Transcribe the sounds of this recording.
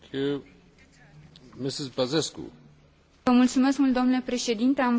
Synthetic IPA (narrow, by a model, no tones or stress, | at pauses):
kʰju | mɪsɪzbazeskṵ | vəmult̪sumeskmult̪d̪omnulepɾe̞ʃe̞d̪int̪e̞am